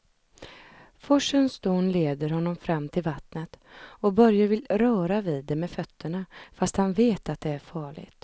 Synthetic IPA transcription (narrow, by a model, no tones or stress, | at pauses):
fɔʂənsd̪oːnleːd̪əɾhɔnːɔmfɾamːt̪ʰɪlvat̪nət̪ɔbœɾjavɪlɾœːɾaviːd̪ːɛmɛfœt̪ʰːəɳafast̪hanveːt̪at̪̚d̪ɛæɾfɑːɭɪ̰ɡt̪